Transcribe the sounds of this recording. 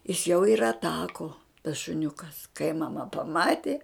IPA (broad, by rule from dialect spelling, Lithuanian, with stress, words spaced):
ɪs jɛʊ ɪr ɐtˈɑːkoː tɐs ʃʊˈnʲʊkɐs kɐɪ mɐˈmɐ pɐˈmɑːtʲeː